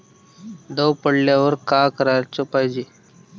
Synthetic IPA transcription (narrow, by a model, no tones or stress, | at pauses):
d̪əwpəɽljaːʋəɾkaːkəɾaɾt͡sopaːjd͡ʒeː